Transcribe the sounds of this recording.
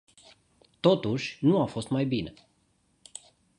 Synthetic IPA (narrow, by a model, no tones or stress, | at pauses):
t̪o̞t̪uʃʲnuafo̞st̪majbine